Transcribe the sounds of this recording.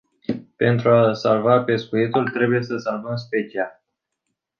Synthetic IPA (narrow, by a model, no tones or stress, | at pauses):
pe̞nt̪ɾuasalvape̞skujet̪ult̪ɾe̞buje̞səsanunsʲpet͡ʃial